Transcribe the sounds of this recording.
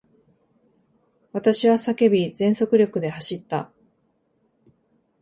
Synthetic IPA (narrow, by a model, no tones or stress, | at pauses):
βat̪aɕiβasake̞bʲizẽ̞ɰ̃so̞kɯ̟ɾʲo̞kɯ̟d̪e̞haɕit̪ːa